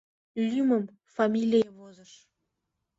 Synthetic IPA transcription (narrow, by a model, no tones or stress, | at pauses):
lʲymə̆m | famʲilʲijeβozəʃ